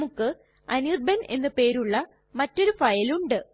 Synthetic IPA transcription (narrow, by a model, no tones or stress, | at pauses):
mukːɨ | ɐnirbɐnʔe̞nːɨpe̞ːɾuɭːɐ | mɐtːo̞ɾufɐjɐluɳɖɨ